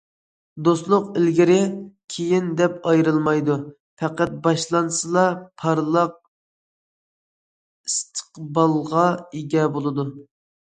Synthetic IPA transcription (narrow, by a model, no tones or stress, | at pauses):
d̪oslˠʊqɪlɡʲiɾɪkʲʰejind̪ɛpɑjɾɨlˠmɑjd̪u | pʰɛqæt̪̚bɑʃlˠɑnsɨlˠɑpʰɑɾlˠɑq̚ | ist̪ʰə̥qbɑlˠʁɑeɡʲɛbolˠɨd̪u